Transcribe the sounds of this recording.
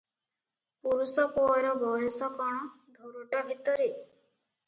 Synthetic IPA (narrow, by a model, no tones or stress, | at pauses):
puɾusɔkuɔɾɔbɔjɔsɔkɔɽ̃ɔ | d̪ʱoɾɔʈabʱit̪ɔɾi